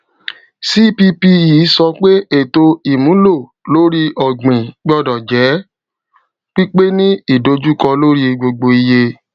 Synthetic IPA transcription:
si˦pi˧pi˧iː˨˦sɔ˧k͡pe˦e˦˨to˧i˨mũ˨˦lo˦˨ | lo˦ɾi˧ʔɔ˨ɡ͡bĩ˨ɡ͡bɔ˦dɔ˨d͡ʒɛ˨˦ | k͡pi˦k͡pe˦nĩ˦i˦˨do˧d͡ʒu˦kɔ˧lo˦ɾi˧ɡ͡bo˧ɡ͡bo˧i˧je˧

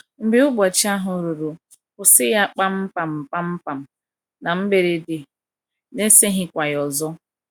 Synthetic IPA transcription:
m̩˨bɪ˦ʊ˦ɡ͡bɔ˨t͡ʃi˦a˦ɦʊ˨ɾu˨ɾu˨ | kʊ˨sɪ˦ja˦k͡pa˦m̩˦pa˨m̩˨pa˦m̩˦pa˨m̩˨ | na˨m̩˦be˨ɾe˦de˨ | ne˦se˦ɦɪ˦kʷa˨jɔ˨zɔ˦

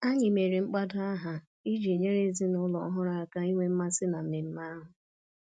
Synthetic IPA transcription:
a˦ɲɪ˨me˨ɾi˨ŋ͡m̩˦k͡pa˦dʊ˦a˦ɦa˨ | i˦d͡ʒi˨e˨ɲe˦ɾe˦zi˦nʊ˦lɔ̰˨˦ɦʊ˦ɾa˨a˦ka˦i˦ŋʷe˦m̩˦ma˦sɪ˦na˨m̩˦mɪ˨m̩˦ma˦ɦʊ˨

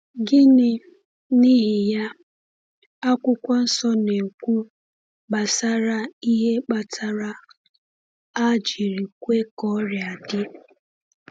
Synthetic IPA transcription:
ɡɪ˦nɪ˦ | ni˦ɦɪ˨ja˦ | a˦kʷʊ˦kʷa˦n̩˦sɔ˦ne˨kʷu˦ | ɡ͡ba˨sa˦ɾa˦i˦ɦe˦k͡pa˨tʰa˦ɾa˦ | a˦d͡ʒi˨ɾi˨kʷe˦kɔ˦ɾɪ˨a˨dɪ˦

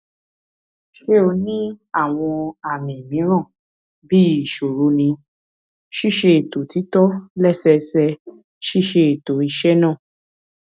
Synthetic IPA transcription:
ʃe˧˦o˧nĩ˦a˦˨w̃ɔ̃˧a˨mĩ˨mĩ˨˦ɾ̃ã˦˨ | bi˦i˦˨ʃo˨ɾo˨˦nĩ˧ | ʃi˦˨ʃe˧e˨to˨ti˨˦tɔ˦lɛ˦sɛ˧sɛ˧ | ʃi˦ʃe˧e˨to˨i˧ʃɛ˦nã˦˨

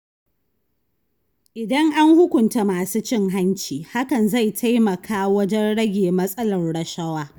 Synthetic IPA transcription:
ʔɪ˨dɐ˦ŋʔa˦ŋhʊ˦kʷʊ˨nta˦maː˨suː˦t͡ʃɪ˦˨ŋɦa˦nt͡ʃiː˨ha˦kɐ˨nza˦˨jtʰa˦jmɐ˨kʰaː˦wɐ˦d͡ʒɛ˦nɽɐ˦ɡʲeː˨mɐ˦sʼɐ˦lɐ˨rɽɐ˨ʃɐ˦waː˦

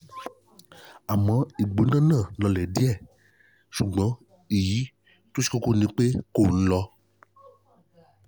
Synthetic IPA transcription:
a˨mɔ̃˨˦i˨ɡ͡bo˨˦nã˦nã˦˨lɔ˧lɛ˨di˦ɛ˦˨ | ʃu˨ɡ͡bɔ̃˨˦ | i˨ji˨˦ | to˦si̥˦ko˦ko˦˨nĩ˨˦k͡pe˦ko˦˨ñ̩˦lɔ˧

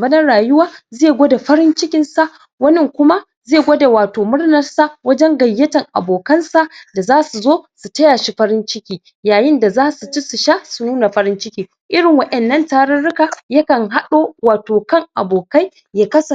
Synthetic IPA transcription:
bɐ˦dɐ˦ɽaː˨jʊ˦waː˦zeː˦˨ɡʷoː˦da˨ɸɐ˦ɾɪ˦nt͡ʃɪ˦kʲɪ˨nsa˦ʔ | wɐ˦nɪ˨ŋkʷʊ˦ma˦ | zeː˦˨ɡʷoː˦da˨waː˨toː˨mʊ˦rnɐ˨rsa˦˨wɐ˦d͡ʒɛ˦ŋɡɐ˨jːɐ˦tɐ˨ŋʔa̰˨boː˨kɐ˦nsa˨ʔda˨zaː˦su˨zoː˦su˨tɐ˦jaː˨ʃi˦ɸɐ˦ɾɪ˦nt͡ʃɪ˦kʲiː˨ | jaː˨jɪ˦nda˨zaː˦su˨t͡ʃi˦su˨ʃa˦su˨nuː˦na˨ɸɐ˦ɾɪ˦nt͡ʃɪ˦kʲiː˨ | ʔɪ˦ɾɪ˨ŋwɐ˦ʔɛ˨nːɐ˦ntaː˦ɽɐ˦nɽʊ˦ka˨jɐ˦kɐ˨ŋɦa˦ɗoː˦waː˨toː˨kɐ˦ŋʔa̰˨boː˨ka˦j | jaː˨kɐ˦sɐ˨

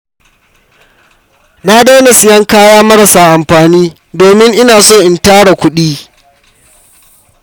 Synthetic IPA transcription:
na˦da˦na˨sɪ˦jɐ˦ŋkaː˦jaː˦mɐ˦ɾɐ˨saː˨ʔa˨mɸaː˨niː˦ | doː˨mɪ˦ŋʔɪ˦naː˨soː˦˨ʔɪ˨ntaː˦ɽa˨kʷʊ˦ɗiː˦

